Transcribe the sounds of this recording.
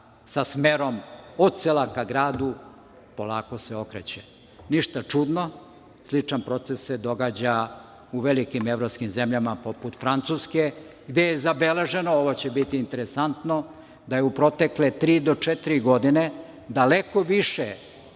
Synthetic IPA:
sasmeɾomoselˠakaɡɾaːd̪u | po̞laːko̞seo̞kɾet͡ɕe | niʃt̪at͡ʂud̪no | slˠit͡ʂanpɾo̞t̪sesːed̪o̞ɡad͡ʑa | uʋelikimevɾo̞pskimzemʎamapoput̪fɾant̪suske | ɡd̪ejezabeleʒe̞nooʋo̞t͡ɕebit̪iːnt̪eɾesant̪no̞ | d̪ajeupɾo̞t̪e̞klet̪ɾiːd̪o̞t͡ʂɛt̪iɾiɡo̞d̪ine | d̪alekoʋiʃe

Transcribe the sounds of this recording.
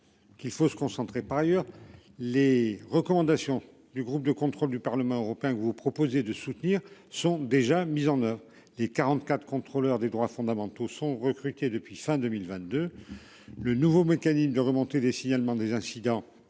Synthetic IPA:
kilfosə̥kɔ̃sɑ̃t̪χepaʁajœʁ | leʁəkɔmɑ̃d̪asjɔ̃ | d̪yɡʁup̚d̪əkɔ̃t̪χɔld̪ypaʁləmɑ̃øʁɔpeɛ̃kəvupχɔpozed̪əsut̪niʁsɔ̃d̪eʒamizɑ̃nœvʁ | lekaʁɑ̃t̪kat̪χə̥kɔ̃t̪χolœʁd̪ed̪ʁwafɔ̃d̪amɑ̃t̪osɔ̃ʁəkχyt̪ed̪əpɥifɛ̃d̪ømilvɛ̃t̪̚d̪ø | lənuvomekanismd̪əʁəmɔ̃t̪ed̪esiɲalmɑ̃d̪ezɛ̃sid̪ɑ̃

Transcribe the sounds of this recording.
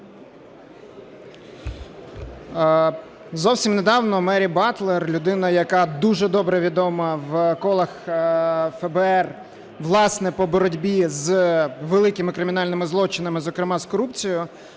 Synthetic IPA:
zɔwsʲimned̪ɑwnɔmɛɾʲibɑt̪lˠerlʲʊd̪ɪnɐjɐkɑd̪uʒɛd̪ɔbɾɛʋʲid̪ɔmɐʋkɔlˠɐx | fɛbɛɛr | ʋlˠɑsnɛpɔbɔɾɔdʲbʲizʋelˠɪkɪmɪkɾɪmʲɪnɑlʲnɪmɪzlˠɔt͡ʃɪnɐmɪzɔkɾɪmɑskɔɾupt͡sʲijʊ

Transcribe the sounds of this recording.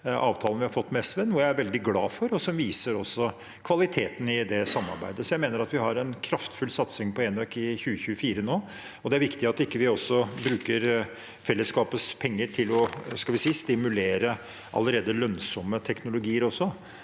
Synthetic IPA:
ɑ̰ːʋt̪ʰɑːlnʋɪhɑɾfɔt̪ːmɛst̪ʋənuːəjææɾʋɛld̪ɪɡlɑːfɔɾɔsɔmʋiːsəɾɔsːɔ | kʰʋɑlɪt̪ʰeːt̪n̩ɪd̪ɛsɑmːɑ̰ɾbæ̰ɪd̪əsɔjæɪmeːnəɾɑt̪ʋɪhɑɾɛnkʰɾɑft̪fʉlsɑt̪sɪŋpʰɔeːnøkɪçʉːəçʉəfiːɾənoː | ɔd̪ɛæɾʋɪkt̪ɪɑt̪ɪkːəʋɪɔsːɔbɾʉːkəɾ | fɛlːəskɑːpəspʰɛŋːəʈʰɪlɔskɑʋɪsiːst̪ɪmʉleːɾə | ʔɑ̰lːəɾeːd̪əlœnsɔmːət̪ʰɛknʊlʊɡiːəɾɔsːɔ

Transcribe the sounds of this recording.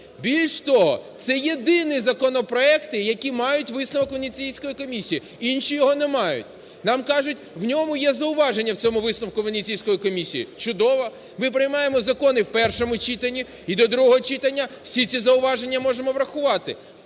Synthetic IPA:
bʲilʲʃt̪ɔɦɔ̰t̪sɛjed̪ɪnɪzɐkɔnɔpɾɔɛkt̪ɪjɐkʲimɑjʊtʲʋɪsnɐʋɔkʋɐnʲit͡sʲijsʲkɔjikɔmʲisʲiji | inʃijɔɦɔnɛmɑjʊ̰tʲ | nɑmkɑʒʊtʲwnʲɔmʊjɛzɐʊʋɑʒenʲːɐwt͡sʲɔmʊʋɪsnɐwkʊʋɐnʲit͡sʲijsʲkɔjikɔmʲisʲijḭt͡ʃʊd̪ɔʋɔ | mɪp̬ɾɪjmɑjemɔzɐkɔnɪwpɛrʃɔmʊt͡ʃit̪ɐnʲi | id̪ɔd̪ɾuɦɔɦɔt͡ʃit̪ɐnʲːɐw̥sʲit͡sʲizɐʊʋɑʒe̞nʲːɐmɔʒemɔʋɾɐxʊʋɑt̪ɪ

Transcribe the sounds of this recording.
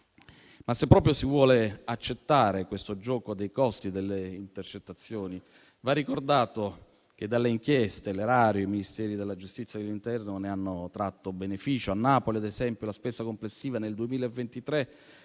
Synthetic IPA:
masːepːɾɔːp̬ɾjosivwɔːleat͡ʃːet̪ːaːɾekwest̪od͡ʒɔːkod̪ejkɔst̪id̪elːeint̪ert͡ʃet̪ːat̪sːjoːni | varːikord̪aːt̪o | k̟ed̪ːalːeiŋkjɛst̪eleɾaːɾjoiminist̪ɛːɾid̪elːad͡ʒust̪it̪sːjad̪elːint̪ɛrnoneanːot̪ɾat̪ːobenefiːt͡ʃoanːaːpoliad̪ezɛmpjolaspeːsakomplesːiːvaneld̪uemiːlaevːent̪it̪ɾe

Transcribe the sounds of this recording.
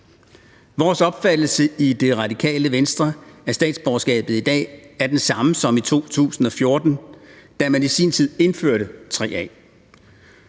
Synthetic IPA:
ʋɒːsɒ̽b̥fæd̥l̩səʔid̥e̝ʁɑ̈d̥ikʰɛ̰ːləʋensd̥ʁɐæɐsd̥ɛ̰ːd̥sb̥ɒsɡ̥ɛ̰ːb̥ð̩ˠid̥ɛ̰ːæɐd̥ensɑ̈məsɒ̽mit͡sʰo̝̰ːt͡sʰṵːsn̩ɒ̽fjo̝ɐd̥n̩d̥æmænisḭnt͡sʰið̞̰ˠe̝nfø̰ɐ̰ɾət͡sʰʁɛ̰ːɛ̰ː

